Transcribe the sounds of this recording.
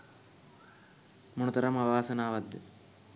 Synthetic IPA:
munut̪ɐɾɐmɐʋaːsɐnaːʋɐd̪ːɐ

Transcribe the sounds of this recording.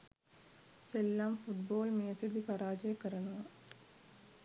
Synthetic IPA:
selːaːmfuʈ̚boːlmeɐsɐd̪ipɐɾaːd͡ʒɐjɐkːɐɾɐnɐʋɐ

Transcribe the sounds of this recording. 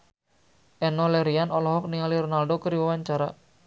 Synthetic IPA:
ʔɛnɔlɛɾianɔlɔɦɔk̚niŋaliɾɔnaldokəɾiwɛwaɲt͡ʃaɾa

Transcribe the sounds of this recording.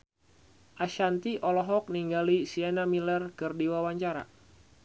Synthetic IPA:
ʔaʃant̪iʔɔlɔɦɔk̚niŋɡalisianamilərkɨrdiwawaɲt͡ʃaɾa̰

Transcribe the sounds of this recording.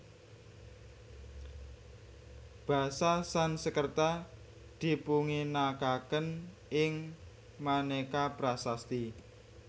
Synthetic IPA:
b̥ä̤sasansəkərt̪a | d̪̥i̤puŋinakakən | ʔɪŋ | manekabɾasast̪i

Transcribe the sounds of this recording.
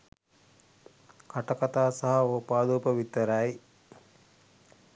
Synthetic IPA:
kaʈɐkat̪aːsaɦɐoːpaːd̪uːpəʋit̪əɾɐj

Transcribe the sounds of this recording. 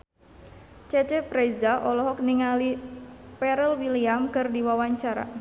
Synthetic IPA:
t͡ʃɛt͡ʃɛpɾezaʔɔlɔɦɔk̚niŋalipɛɾəlwiliamkɨrdiwawaɲt͡ʃaɾa̰

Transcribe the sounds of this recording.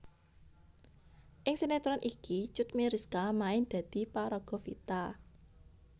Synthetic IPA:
ʔɪŋsenet̪ɾɔnʔikit͡ʃʊt̪̚miɾiskamaɪnd̪̥ä̤d̪̥i̤paɾɔɡ̥ɔ̤fḭt̪a

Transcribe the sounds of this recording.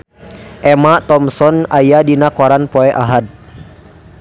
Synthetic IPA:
ʔɛmat̪ɔmsɔnajadinakaɾanpɔɛʔaɦad̪̚

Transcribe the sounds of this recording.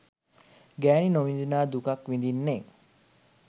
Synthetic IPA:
ɡæːninoʋind̪inaːd̪ukakʋind̪inːe

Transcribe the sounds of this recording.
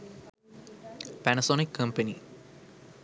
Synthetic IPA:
pænɐsoːnikːɐ̃mpɐni

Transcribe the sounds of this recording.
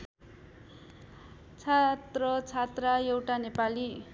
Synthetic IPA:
t͡sʰat̪rʌt͡sʰat̪rajewʈanepali

